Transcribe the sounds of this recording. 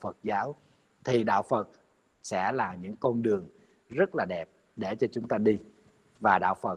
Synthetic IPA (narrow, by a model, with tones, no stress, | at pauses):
fə˨˩t̚zaː˨˦w | t̪ʰi˨˩ɗa̰ː˧˨wfə˨˩t̚ | sɛ̰˧˥laː˨˩ɲɨ̰˧˥ŋkɔ˧nɗɨ˨˩əŋ | zə˦˥t̚laː˨˩ɗɛ˨˩p̚ | ɗe˧˩t͡ɕɔ˧t͡ɕʊ˨˦ŋ͡mt̪aː˧ɗi˧ | vaː˨˩ɗa̰ː˧˨wfə˨˩